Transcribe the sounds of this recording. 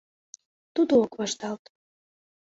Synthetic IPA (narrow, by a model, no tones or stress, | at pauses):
t̪ud̪ookβɑʃt̪ɑlt̪